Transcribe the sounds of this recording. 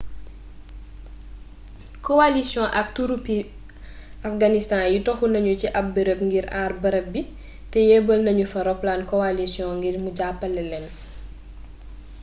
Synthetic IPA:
kɔwalisjɔ̃ʔɐk̚tuɾupi | afɡanistãːjutɔxunɐɲuciʔɐp̚bəɾəp̚ŋɡiɾaːrbɐɾɐp̚bi | tɛjɛbəlnɐɲufɐɾɔplaːnkɔalisjɔ̃ŋɡirmuɟapːɐlɛlɛn

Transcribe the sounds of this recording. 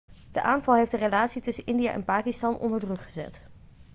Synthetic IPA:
d̥əʔaːnvɑlˠɦejfdərelaːtsitɵsənʔɪndija̰ʔɛ̰npaːkistɑnʔɔ̰ndəɹdrɵkχəzɛ̰t

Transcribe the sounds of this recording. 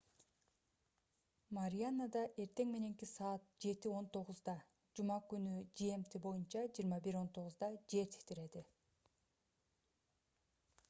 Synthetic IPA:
maɾʲijanːad̪ɑʔe̞ɾt̪e̞ŋme̞ne̞ŋkisɑːt̪̚d͡ʒe̞t̪io̞nt̪ʰo̞ʁʊzd̪ɑ | d͡ʒumɑkynyd͡ʒeemt̪ʰebo̞junt͡ʃɑd͡ʒijːɾmɑbiɾo̞nt̪ʰo̞ʁʊzd̪ɑd͡ʒe̞ɾt̪ʰi̥kt̪iɾe̞d̪i

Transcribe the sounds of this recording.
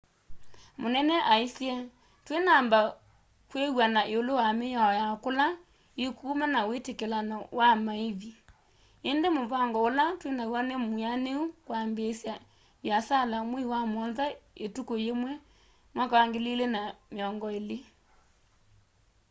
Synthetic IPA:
monɛnɛʔaisiɛ | twenamba | kwewanaʔeolowamejaɔjakola | ekumanawetekelanɔwamaeβi | endemoβaŋɡɔolatwenawanemuaneukwambesja | jasalamwɛiwamɔnðaetukojemwɛ | mwakwaŋɡelelenameɔŋɡɔele

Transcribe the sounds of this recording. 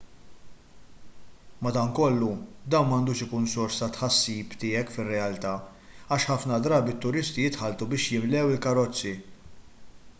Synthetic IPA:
mɐd̪ɐŋkɔlːud̪ɐnmɐːnd̪uːʃɪkuːnsɔɾst̪ɐt̪ħɐsːiːpt̪ɪːɛkfɪrːɛɐlt̪ɐː | ɐʃħɐfnɐd̪ɾɐːbit̪ːʊɾɪst̪ijɪt̪ħɐlt̪ubɪːʃjɪmlɛwɪlkɐɾɔt͡sːi

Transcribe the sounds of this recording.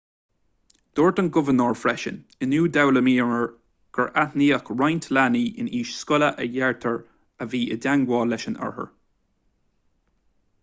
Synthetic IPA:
d̪̥oːɹtənɡʊvənəɹfɹɛʃə̰n | ənuːdawləmiːnəɹ | ɡ̥əɹʔatniːakɹajntʰlaniːʔɪ̰niːʃskʊləʔəjɛɹtʰəɹ | əviːʔədaŋɡwɔːlɛʃənə̰ɹhə̰ɹ

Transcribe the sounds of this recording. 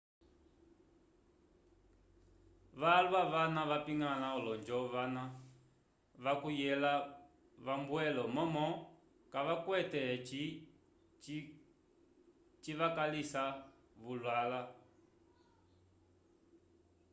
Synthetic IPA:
ʋalwaʋanaʋapiŋɡanaɔlɔnd͡ʒɔʋana | ʋakujɛla | βambwɛlɔmɔmɔ | kaʋakwɛtɛ | t͡ʃiʋakalisa | βulwala

